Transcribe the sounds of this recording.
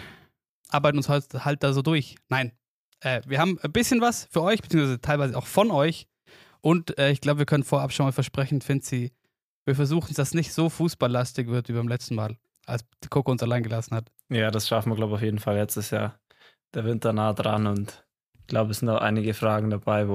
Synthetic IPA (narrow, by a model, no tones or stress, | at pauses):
ʔaɐbaɪtn̩ʊnshɔʏthalt̚d̥aːzoːdʊɐçnaɪn | ʔɛːviːɐhaːbm̩bɪsçənvasfyːɐʔɔʏçb̥t͡siːŋsvaɪzətʰaɪlvaɪzəʔa̰ʊxfɔnʔɔʏç | ʔʊntʔɛːɪçɡ̥laʊbəviːɐkʰœnənfoːɛʔapʃonmaːlfɛɐʃpʁ̥ɛçn̩fɪntz̥iː | viːɐfɛɐzuːxn̩sd̥asnɪçtz̥oːfuːsb̥alːastɪçv̥ɪɐtviːbbaɪmlɛt͡stn̩maːl | ʔa̰lsd̥iːkʰokəʊnsalaɪnɡəlasn̩hat | jaːdasʃafn̩viɐɡlaʊbəaʊjeːdn̩falːɛt͡stəsja̰ːɐ | d̥eːɐvɪntɐnaːədʁa̰nʊnt | ɡ̥laʊbəsz̥ɪntaʊʔa̰ɪnɪɡəfʁ̥aːɡŋ̩dabaɪvo